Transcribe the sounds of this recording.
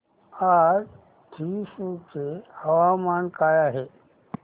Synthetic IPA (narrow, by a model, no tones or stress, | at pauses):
aɾ | t̪ʰiːsukeɐwaːmaːnkaːjaɦe